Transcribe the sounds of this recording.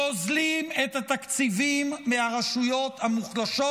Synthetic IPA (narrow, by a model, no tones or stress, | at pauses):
ozlimet̪hat̪akt͡sivimːeaʁaʃujo̞t̪hamuχlaʃo